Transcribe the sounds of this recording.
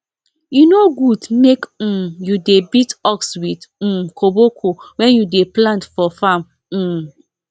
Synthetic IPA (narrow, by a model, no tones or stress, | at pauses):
junoɡudmek̩judebitɔkswid̩kʰobokʰowɛ̃njudeplãntfɔfam | m̩